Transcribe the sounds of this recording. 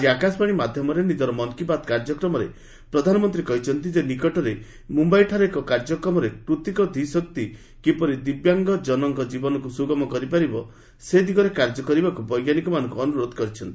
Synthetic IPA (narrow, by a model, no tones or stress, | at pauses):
ad͡ʒiakasɔ̥paɽ̃imad̪ʱjɔmɔɾenid̪ɔɾɔmɔŋkibat̪kaɾd͡ʒɔkɾɔmɔɾḛ | pɾɔd̪ʱanɔmɔnt̪ɾikɔɦit͡ʃʰɔnt̪id͡ʒenikɔʈɔɾe | mumbajʈʰaɾekɔkaɾd͡ʒɔkɾɔmɔɾekɾut̪ikɔd̪ʱisɔk̚t̪i | kipɔɾid̪ibjaŋɡɔd͡ʒɔnɔŋɡɔd͡ʒibɔnɔkusuɡɔmɔkɔɾipaɾibɔ | sed̪ʱikɔɾekaɾd͡ʒɔkɔɾibakubɔjɡjanikɔmanɔŋkuɔnuɾod̪ɔkɔɾit͡ʃʰɔnt̪i̥